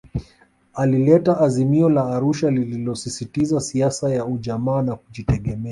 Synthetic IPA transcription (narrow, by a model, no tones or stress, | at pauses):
alilɛtaʔːzimiɔlaːɾuʃalililɔsisitizasiasajauʄamaːnakuʄitɛɠɛmɛa